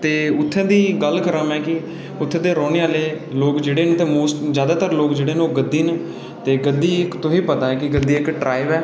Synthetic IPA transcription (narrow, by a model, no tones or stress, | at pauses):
t̪eːʊt̪ʰːɛ̃ːd̪iːɡəlkəɾəmɛːkɪ | ʊt̪ʰːẽːd̪eːɾɔːneːãːleː | loːkd͡ʒeːɽeːnt̪eːmoːsʈd͡ʒjaːd̪aːt̪əɾloːkd͡ʒeːɽeːnoːɡəd̪ːiːn | t̪eːɡəd̪ːiːɪkt̪ʊɦiːpət̪ãːɛːkɪɡəd̪iːɪkʈɾaːɪʋɛː